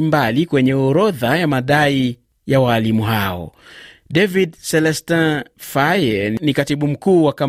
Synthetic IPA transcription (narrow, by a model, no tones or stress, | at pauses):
mbalikwɛɲɛɔɾɔðajamaɗai | jawaːlimuɦaɔ̰ɗɛvidsɛlɛstãfajɛnikatiɓum̩kuːwaka